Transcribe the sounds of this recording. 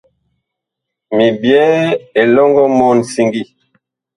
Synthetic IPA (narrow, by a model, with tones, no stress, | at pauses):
mi˨bjɛ˦e˨lɔ˦ŋɡɔ˦mɔ˦˨n˨si˨ŋɡi˦˨